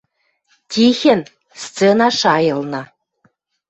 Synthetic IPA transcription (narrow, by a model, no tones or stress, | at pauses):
tʲixʲĕn | st͡senɑʃɑjɤ̆lˠnɤ̆